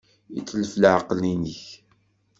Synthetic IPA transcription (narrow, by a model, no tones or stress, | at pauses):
ḭt͡sːələflʕəqlinəç